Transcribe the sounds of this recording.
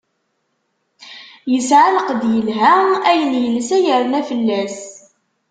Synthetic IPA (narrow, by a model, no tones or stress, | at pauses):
jəsʕaləqəd̪jəlɦææjənjələsæjəɾˤnæfəlːæs